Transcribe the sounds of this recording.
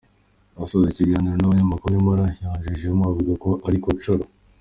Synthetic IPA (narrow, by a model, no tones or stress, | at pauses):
βasozeciɡaːniɾo̞naβaɲamakuɾuɲimaɾajaːɲʒiʒemwavuɡako̞ʔaɾikoβt͡ʃoɾo